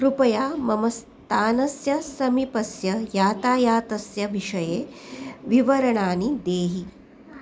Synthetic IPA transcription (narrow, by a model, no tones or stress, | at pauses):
kɾupɐjaːmɐmɐs | t̪aːnɐsjɐsɐmipɐsjɐjaːt̪aːjaːt̪ɐsjɐʋiʂɐjeːʋiʋɐɾɐɳaːnid̪eːɦi